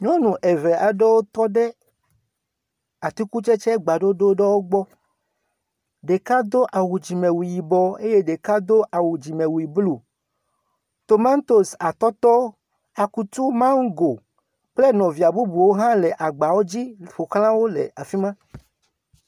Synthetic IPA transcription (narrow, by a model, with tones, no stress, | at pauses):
ɲɔ̃˦nũ˨ʔɛ˨vɛ˨ʔa˨ɖe˦wo˦t̪ɔ˦ɖɛ˦ | a˨t̪u˦ku˦t͡ʃɛ˦t͡ʃɛ˦ɡ͡ba˨ɖo˦ɖo˦ɖɛ˦wo˦ɡ͡bɔ˦ | ɖe˨ka˦d̪o˦ʔa˨wu˨d͡ʑi˨mɛ̃˨wu˨ji˨bɔ˨e˦je˦ɖe˨ka˦d̪o˦ʔa˨wu˨d͡ʑi˨mɛ̃˨wu˨i˨blu˨ | t̪o˨ma˦n˦t̪o˦sa˨t̪ɔ˦t̪ɔ˦ | a˨ku˦t̪u˦mã˦ŋ˦ɡo˨ | k͡ple˦nɔ̃˨vi˨a˨bu˦bu˨wo˦ɦã˦lɛ˨ʔa˨ɡ͡ba˨wo˦d͡ʑi˦ɸo˨kl̃ã˦wo˦lḛ˨a˨fi˦mã˦